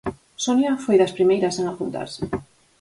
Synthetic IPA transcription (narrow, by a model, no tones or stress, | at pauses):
sonjafojðɐspɾimejɾɐsaŋapunt̪a̰ɾsɪ̥